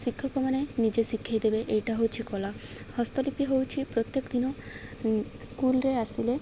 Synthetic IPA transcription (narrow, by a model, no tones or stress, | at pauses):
sikʰːɔkɔmanenid͡ʒesikʰːajd̪ebeʔejʈaɦowt͡ʃʰikɔla | hɔst̪ɔlipiɦowt͡ʃʰipɾot̪jekɔd̪inɔ | skulɾeasile